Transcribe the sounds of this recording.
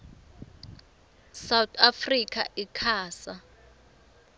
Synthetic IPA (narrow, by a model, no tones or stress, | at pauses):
sawt̪ʰʼafrikʰʼa̰ʔikʰaːsa